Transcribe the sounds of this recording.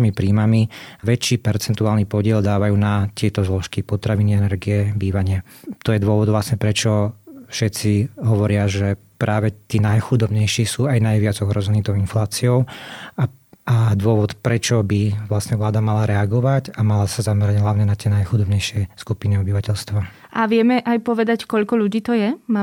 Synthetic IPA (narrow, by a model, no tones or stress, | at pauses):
mipɾiːmamiʋɛt͡ʃiːpɛɾt͡sɛnt̪uaːlniːpɔɟɪɛld̪aːʋajuːnat̪ɪɛt̪ɔzlɔʃkipɔt̪ɾaʋiniɛnɛɾɡijɛbiːʋaɲɪɛ | t̪ɔjɛd̪ʊɔʋɔd̪ʋlasɲɛpɾɛt͡ʃɔfʃɛt͡siɦɔʋɔɾɪaʒɛ | pɾʔaːʋɛt̪iːnajxud̪ɔbɲɛjʃiːsuːajnajʋɪad͡zɔɦɾɔzɛniːt̪ɔʊinflaːt͡siɔʊa | ad̪ʋʊɔʋɔt̪pɾɛt͡ʃɔbiʋlasɲɛʋlaːd̪amalaɾɛaɡɔʋaɟamalasazamɛɾaɟɦlaʊɲɛnat̪ɪɛnajxud̪ɔbɲɛjʃɪɛskupinɛɔbiʋacɛʎst̪ʋa | ʔaʋɪɛmɛʔajpɔʋɛd̪ackɔʎkɔʎuɟiːt̪ɔjɛma